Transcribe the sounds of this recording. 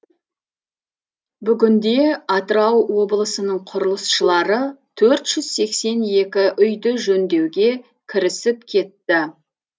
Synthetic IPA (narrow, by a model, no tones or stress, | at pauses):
bʏɡʲɪnd̪e̞ɑt̪əɾɑwwo̞blˠəsənəɴqʰʊɾəlˠəsʃəlˠɑɾət̪ʰɵɾt̪ʒ̥ʏz̥se̞kse̞ne̞kʲɪʔʏjd̪ɪʒɵnd̪e̞wɡʲe̞ | kʲʰɪɾɪsɪp̚kʲʰe̞t̪ːɪ